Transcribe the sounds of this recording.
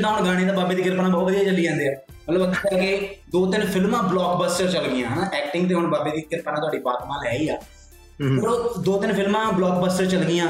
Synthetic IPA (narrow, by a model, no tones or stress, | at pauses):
ãːɦʊɳɡaːɽ̃eːd̪aːbaːbeːd̪iːɡɪɾpnaːbɔːt̪ʋəd̪ijaːt͡ʃəlːiːd͡ʒɛ̃ːnd̪eːaː | mət̪ləbəkʰːaːked̪oːt̪̬ɪnpʰɪlmãːblɔːkbəsʈəɾt͡ʃəlɡɪjãːɦnːʔɛːkʈɪ̃ŋɡt̪̬eːɦʊɳbaːbeːd̪iːɡɪɾpnãːt̪ʊaːɖiːbaːt̪maːlɦɛːiːaː | ɾod̪oːt̪ɪnpʰɪlmãːblɔːkbəːsʈəɾt͡ʃəlɡɪjãː